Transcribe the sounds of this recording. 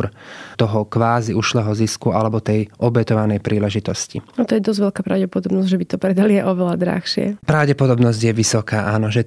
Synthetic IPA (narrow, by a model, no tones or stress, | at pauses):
ɾt̪ɔɦɔkʋaːziuʃlɛɦɔziskualɛbɔt̪ɛjʔɔbɛt̪ɔʋanɛjpɾʔiːlɛʒit̪ɔscḭat̪ɔjɛd̪ɔzʋɛlkaːpɾaʊɟɛpɔd̪ɔbnɔzɟʲʒɛbit̪ɔpɾɛd̪aliɛʔɔʋɛlad̪ɾa̰xʃɪɛ̰pɾaʊɟɛpɔd̪ɔbnɔzɟjɛʋisɔkaːʔaːnɔʒɛ